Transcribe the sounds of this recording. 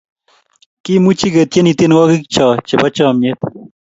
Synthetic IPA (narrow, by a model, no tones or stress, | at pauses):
kimut͡ɕiɡɐt̪jenit̪inwaːɡikt͡ɕʰaːt͡ɕebɐt͡ɕaːmet̪